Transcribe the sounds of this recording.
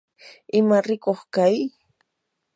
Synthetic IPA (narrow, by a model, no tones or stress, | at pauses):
ɪmaɾɪkoχkaj